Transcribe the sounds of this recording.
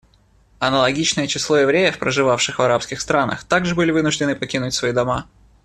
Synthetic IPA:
ɐnəlˠɐɡʲit͡ɕnəjət͡ɕɪslˠo̞jɪvɾʲejəfpɾəʐɨvafʂɨxvɐɾapskʲɪxst̪ɾanə̰xt̪aɡʐɨbɨlʲɪvɨnʊʐdʲɪnɨpɐkʲinʊtʲsvɐid̪ɐma

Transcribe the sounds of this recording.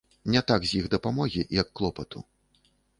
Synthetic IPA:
nʲɛt̪aɡzʲjiɣd̪ɐpamɔɣʲijɐkːlˠɔpɐt̪ṵ

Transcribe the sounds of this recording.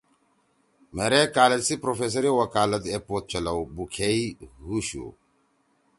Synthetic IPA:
meɾekaːlɐsipɾofeːs̬ɐɾiwɐkaːlɐt̪epoːt̪̚t͡ʃɐlɐwbukʰeihuɕṵ

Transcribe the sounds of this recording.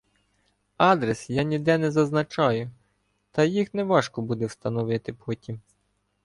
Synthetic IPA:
ɑd̪ɾesjɑnʲid̪ɛnɛzɐznɐt͡ʃɑjʊ | t̪ɐjixnɛʋɑʃkɔbud̪ɛwst̪ɐnɔʋɪt̪ɪpʰɔtʲim

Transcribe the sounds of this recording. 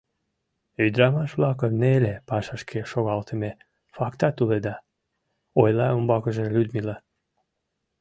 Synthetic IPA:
yd̪ɾɑmɑʃβlɑkənelepɑʃɑʃkʰeʃoɣɑlt̪əme | fɑkt̪ɑt̪uled̪ɑ | ojlɑombɑkəʒelʲyd̪milɑ

